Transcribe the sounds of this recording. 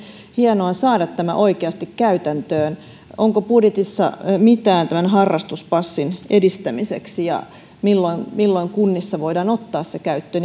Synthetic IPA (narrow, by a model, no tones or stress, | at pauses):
hienoɑsɑːdɑt̪tæmæ̰ʔoikeɑst̪ikkæyt̪ænt̪øːn | oŋkopudjet̪isːɑ̰mit̪æːnt̪æmænɦɑrːɑst̪uspɑsːinedist̪æmisḛksijɑ̰ | milːoinmilːoiŋkunːisːɑʋoidɑːnot̪ːɑːssekæyt̪ːøːn